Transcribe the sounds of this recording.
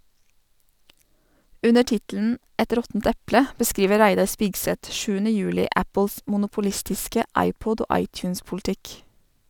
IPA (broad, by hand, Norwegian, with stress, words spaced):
ˈʉnə ˈʈɪtl̩n̩ ˈɛt ˈɾɔtn̩t ˈɛplə bəˈskɾiːʋə ˈɾæɪdɑɾ ˈspɪɡsɛt ˈʃʉːənə ˈjʉːlɪ ˈæpl̩s mʊnʊpʊˈlɪstɪskə ˈɑɪˌpʊd ˈoː ˈɑɪtʉːnspʊlˌtɪk